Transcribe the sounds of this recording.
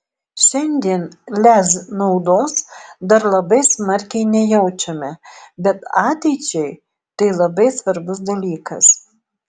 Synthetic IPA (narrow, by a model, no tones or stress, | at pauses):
ʃʲɛnʲd̪ʲiɛnlʲæsnɐʊd̪oːsd̪ɐɾlˠɐbɐɪsmɐɾʲkʲɛɪnʲɛjɛʊt͡ʃʲɛmʲɛbʲɛt̪ɑːt̪ʲɛɪt͡ʃʲɛɪ | t̪ɐɪlˠɐbɐɪsʋɐɾbʊs̬d̪ɐlʲiːkɐs